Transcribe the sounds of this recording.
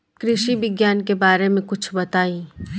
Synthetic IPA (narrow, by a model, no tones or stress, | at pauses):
kɾɪʃibɪɡjaːnkebaːɾemẽkʊt͡ʃʰbɐt̪aːĩː